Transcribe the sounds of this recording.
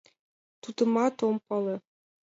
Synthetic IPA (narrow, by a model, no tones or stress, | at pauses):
t̪ud̪ɤ̆mɑt̪ompɑlˠɤ̆